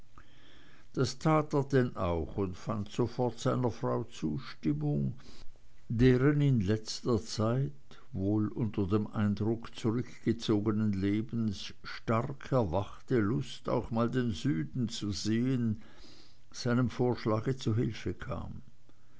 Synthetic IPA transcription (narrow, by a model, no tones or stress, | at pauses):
d̥astʰaːteːɐdɛnʔaʊxʊntfantz̥ofɔɐtz̥aɪnɐfʁ̥aʊt͡suːʃtɪmʊŋ | deːʁənɪnlɛt͡stɐt͡saɪt | voːlʔʊntɐdeːmʔa̰ɪndʁʊkt͡suʁʏkɡ̥ət͡soːɡənənleːbn̩s | ʃtaʁkʰɛɐvaχtəlʊsta̰ʊxmaːldeːnzyːdn̩t͡suzeːən | z̥aɪnəmfoːɐʃlaːɡət͡suɦɪlfəkʰa̰ːm